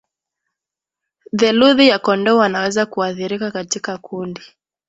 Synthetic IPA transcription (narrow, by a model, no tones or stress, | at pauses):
ðɛluðijakɔndɔwanawɛzakuaθiɾikakatikakundi